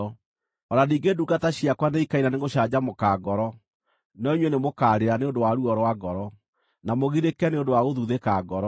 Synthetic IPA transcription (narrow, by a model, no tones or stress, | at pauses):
ɔɾaniːŋɡeduɡataɕiakwaneikaiɾaneŋɡoɕad͡ʑamokaːɡɔɾɔ | nɔiɲwɛnemokaːɾeɾaneondowaɾuɔɾwaɡɔɾɔ | namoɣiɾekɛneondowaɣoðuðekaɡɔɾɔ